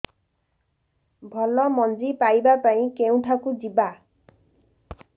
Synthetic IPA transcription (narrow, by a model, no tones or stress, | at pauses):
bʱɔlɔmɔnd͡ʒipajbapaĩkew̃ʈʰakud͡ʒiba